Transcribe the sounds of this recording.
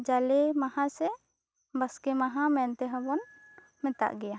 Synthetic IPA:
d͡ʒalɛmahãsɛ | baskɛmaɦãmɛnt̪ɛɦɔbɔn | mɛt̪a̰ʔɡɛja

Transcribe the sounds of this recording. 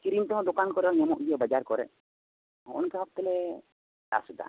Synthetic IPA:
kiɾint̪ɛɦɔ̃d̪okankɔɾɛɲɔmɔʔɡ̪ijabəd͡ʒaɾkɔɾɛ̰ | ɔɔnkɛɦɔk̚t̪ɛlɛ | da̰sud̪a̰

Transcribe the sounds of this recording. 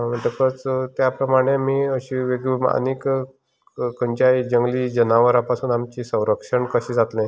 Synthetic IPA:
m̤əɳʈ̪əkət͡st̪japɾəmaɽ̃emiːəɕiːʋeɡlima̰nek | kəɲt͡ɕajd͡ʑəŋɡliːd͡ʑənaʋəɾapasuːnamt͡ɕisə̃w̃ɾəkʂəɳkəɕĩd͡zat̪lẽ

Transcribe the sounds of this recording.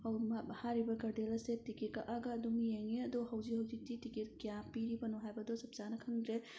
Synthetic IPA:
hɐwmabɐhaɾibɐɡɐɾdelɐsetiket̚ka̰ʔaɡɐːduŋjeŋiɐdɔɦɐwziɦɐwzik̚titiketkijapiɾibɐnɔɦajbɐdɔsɐp̚zanɐkʰɐŋdɾe

